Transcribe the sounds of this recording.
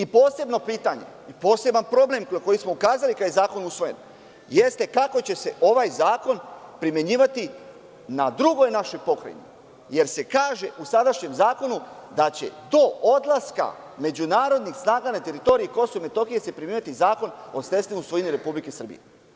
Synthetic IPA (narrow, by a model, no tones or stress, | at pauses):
ipo̞ːse̞bno̞piːt̪aɲḛ | ipo̞ːse̞banpɾo̞ble̞mko̞jismo̞ukaːzalikajzaːko̞nusʋo̞je̞̰n | jest̪e̞kako̞t͡ɕe̞se̞ʔo̞ʋajzaːko̞npɾimje̞ɲiːʋat̪i | nad̪ɾuɡo̞jnaʃo̞jpo̞kɾa̰jḭmḭ | je̞ɾse̞kaːʒe̞usad̪aʃɲe̞mzaːko̞nud̪at͡ɕe̞̰d̪o̞od̪lˠaska̰ | me̞d͡ʑunaːɾo̞d̪nixsnaːɡanat̪e̞ɾit̪o̞ɾiiko̞soomet̪o̞xije̞se̞pɾimʲeɲat̪izaːko̞no̞st̪e̞st̪imusʋojiniɾe̞publike̞sr̩bḭjḛ